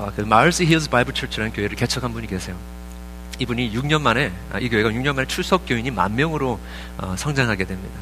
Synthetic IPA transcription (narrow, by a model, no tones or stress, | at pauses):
ʌkɯmaɭs͈iɦiɭsbaibɯɭt͡ɕʰʌɭt͡ɕʰɯɾanɯnkjoɦe̞ɾɯɭke̞t͡ɕʰʌkʰanbuɲike̞sʰe̞jo | ibuɲijuk̚ɲʌnmane̞̰ | ikjoeɡajukɲʌnmanet͡ɕʰuɭs͈ʰʌk̚k͈joiɲima̰nːjʌŋɯɾo | ʌ̰sʰʌŋd͡ʑaŋɦaɡe̞dwe̞mɲida